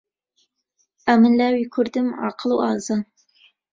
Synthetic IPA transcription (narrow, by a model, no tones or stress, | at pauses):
æmɪnlæwjykʲʰyɾd̪ɪmɑ̰ːqʰəlˠuʔɑːzɑ